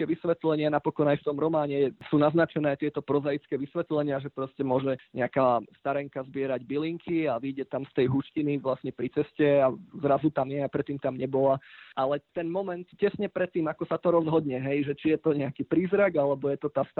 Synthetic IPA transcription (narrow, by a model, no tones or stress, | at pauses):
kɛʋisʋɛt̪lɛɲɪanapɔkɔnajft̪ɔmɾɔmaːɲɛɛsuːnaznat͡ʃɛnɛːajt̪ɪɛt̪ɔpɾɔzajt͡skɛːʋisʋɛt̪lɛɲɪaʒɛpɾɔscɛmʊɔʒɛɲɛakaːst̪aɾɛŋkazbɪɛɾaɟbiliŋkʰiaʋiːɟɛt̪amst̪ɛjɦuʃciniʋlasɲɛpɾit͡sɛscɛazɾazut̪amjɛapɾɛt̪ːiːmt̪amɲɛbɔlaʔalɛt̪ɛnmɔmɛnt̪cɛsɲɛpɾɛt̪ːiːmakɔsat̪ɔɾɔzɦɔd̪ɲɛɦɛjʒɛt͡ʃijɛt̪ɔɲɛakipɾiːzɾaɡalɛbɔjɛt̪ɔt̪ast̪